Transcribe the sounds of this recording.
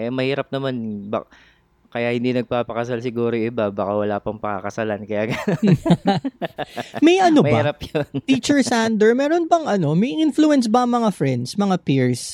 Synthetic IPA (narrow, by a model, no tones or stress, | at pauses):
ʔɛmɐhiːɾɐp̚nɐmanba | kɐjahɪnd̪inɐɡ̚paːpɐkɐsalsɪɡuːɾojɪbabɐkawɐlaːpɐŋpɐŋa̰kɐsalankɐjaːɡɐno | mɛjʔɐnobaiɾɐpjont̪iːt͡ʃɛɹsand̪ɛɹmɛːɾonbɐŋʔɐno̞mɐjʔinfluɛnsbɐŋmɐŋafɹɛnd̪smɐŋapiɹs